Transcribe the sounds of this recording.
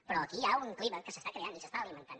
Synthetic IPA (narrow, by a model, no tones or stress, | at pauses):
pɾɔəkiauŋkliβəkəsəst̪akɾeanisəst̪aəlimənt̪an